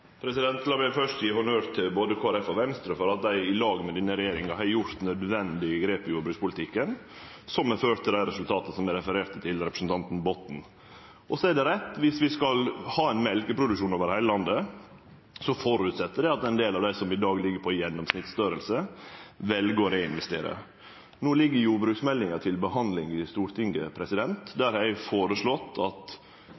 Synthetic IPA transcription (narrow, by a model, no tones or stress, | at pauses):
pʰɾɛsɪd̪ɛnt̪lɑʋɛːfœʂʈ̪jɪːhʊnøːɾt̪ʰːɪlboːd̪əkʰoːæɾɛfɔʋɛnst̪ɾəfɔɾɑt̪̚d̪æɪɪlɑːɡmɛd̪ɪnːəɾɛjeːɾɪŋɑhɑjʊɾt̪nœd̪ʋɛnd̪ɪəɡɾeːpɪjuːbɾʉkspʊlɪt̪ʰɪkːən | sɔmɛføːɾt̪ʰːɪld̪æɪɾɛsʉlt̪ʰɑːt̪əsɔmɛɾɛfəɾeːɾt̪ət̪ʰɪlɾɛpɾəsn̩t̪ɑnt̪n̩bɔt̪n̩ | ʔɔsɔɛɖɛɾɛt̪ːʋɪsʋɪskɑlhɑːɛɪnmɛlkəpʰɾʊd̪ʉʃuːnoːʋəɾhæɪləlɑnd̪ə | sɔfɔɾʉːt̪sɛt̪ːəɖɛɑt̪ɛɪnd̪eːlɑʋd̪æɪsɔmɪd̪ɑːɡlɪɡːəɾpʰɔjɛnːɔmsnɪt̪sd̪øːɾəlsəʋɛlɡəɔɾeːɪnʋɛst̪ḛːɾə̰ | noːlɪɡːəɾjuːbɾʉːksmɛlːɪŋɑt̪ʰɪlbəhɑnd̪lɪŋɪst̪uːɾt̪ʰɪŋəpʰɾɛsɪd̪ɛnt̪d̪æɾhæɪfoːɾəʂɭɔt̪ʰːɑt̪